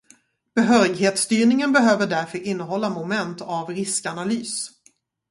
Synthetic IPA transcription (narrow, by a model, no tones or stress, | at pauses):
b̥ɛɦœːɾɪɡɦeːt̪st̪yːɳɪŋənbɛɦøːvəɖæɾfœɾʔɪnːəɦɔlːamʊmɛnt̪avɾɪskanalyːs